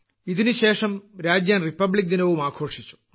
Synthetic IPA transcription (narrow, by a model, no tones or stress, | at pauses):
iðinuɕe̞ːʂɐmɾaːd͡ʑjaːnripːɐbɭik̚d̪inɐʋumaːkʰo̞ːʂit͡ɕːu̥